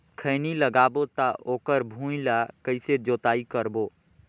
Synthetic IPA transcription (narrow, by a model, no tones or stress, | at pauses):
kʰəːniləɡaːbot̪aʔoːkəɾbʱũːlakəɪsed͡ʒoːt̪aːikəɾboː